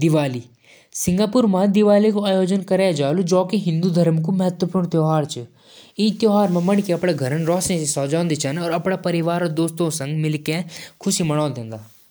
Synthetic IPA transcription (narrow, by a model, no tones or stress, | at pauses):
d̪ɪʋaːli | sɪ̃ŋɡaːpuɾmãd̪ɪʋaːlikoaːjoːd͡ʒənkɐɾejd͡ʒaːlud͡ʒɔːkeɦɪ̃nd̪ud̪ʱɐɾmkumɐɦət̪wəpuːɾɽ̃t̪joːɦaːɾt͡ʃə | ĩt̪joːɦaːɾmẽmɐɽkeɐpɽeɡʱɐɾənɾɔːsnẽsesɔːd͡ʒãːnd̪it͡ʃanɔːɾɐpɽapɐɾɪʋaːɾod̪oːst̪õsɐ̃ŋɡmɪlkẽkʰʊsimɐɽ̃ɔ̃ːd̪ẽːnd̪aː